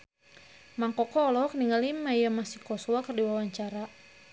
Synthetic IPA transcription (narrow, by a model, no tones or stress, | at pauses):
maŋkɔkɔːlɔkniŋalimajamasikɔswakərdiwawaɲt͡ʃaɾa